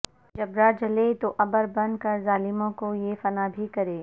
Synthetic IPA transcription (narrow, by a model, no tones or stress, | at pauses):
d͡ʒɐbɾad͡ʒɐlet̪oʔɐbəɾbɐ̃nkɐɾzaːlɪmõkojefɐnabʱikɐɾeː